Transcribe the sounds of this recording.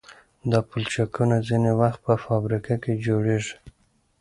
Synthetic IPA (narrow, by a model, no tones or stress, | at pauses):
d̪ɑpult͡ʃakunazinewaxt̪̚pəfɑbɾikaked͡ʒoɽeʐi̥